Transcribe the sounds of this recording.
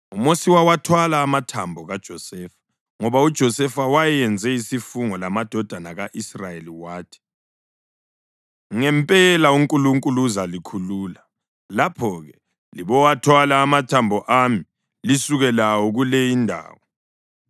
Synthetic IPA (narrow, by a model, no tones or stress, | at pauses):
umosiwawatʰwalaːmatʰambʱɔɣad̥ʒ̥ʱɔsɛːfḁ | ŋɔβaud̥ʒ̥ʱɔsɛfawajɛjɛnd͡zʱɛisifuŋɔlamad̥ʱɔd̥ʱanaɣaʔisrajeliwaːtʰi̥ | ŋɛmpʼɛlauŋkʼuluŋkʼuluzalikʰuluːla | lapʰɔɣɛ | liβɔwatʰwalaːmatʰambʱɔʔami | lisuɣɛlawɔɣulɛjindʱa̰ːwɔ